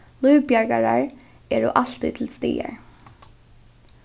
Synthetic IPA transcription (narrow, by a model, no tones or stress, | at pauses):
lujvpjaɹkaɹaɹ | ɛːɹʊ̰ʔal̥t̪ut̪ʰɪlst̪iːa̰ɹ